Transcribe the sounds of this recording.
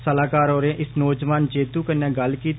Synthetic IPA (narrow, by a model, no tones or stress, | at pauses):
səlaːkaːɾoːɾẽʔɪsnɔːd͡ʒʋaːnd͡ʒeːt̪uːkəɾnẽːɡəlkiːt̪